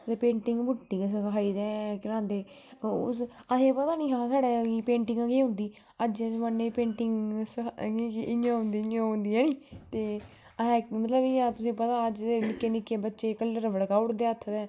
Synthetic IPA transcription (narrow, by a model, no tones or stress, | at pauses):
t̪eːpẽːɳʈɪŋɡbʊʈːɪ̃ŋsəkaːiːd̪ɛ̃ːkɪɾãːnd̪eː | ʊ̰sət̪ẽːpət̪aːnĩːɦãːsaːɽeːkiːpẽːɳʈɪŋɡaɡeːɦʊ̃nd̪iː | əd͡ʒɛsmənːeːipẽːɳʈɪŋɡskikʔɪjãːɦʊ̃nd̪iːɪjãːɦʊ̃nd̪iːɦɛːniːt̪eː | əɛ̃ːmət̪ləbɪãːt̪ʊsẽːpət̪aːəd͡ʒ̪eːnɪkːeːnɪkːeːbətːʃeːkələɾʋəɽkaːʊʈd̪eːət̪ʰd̪ɛ̃ː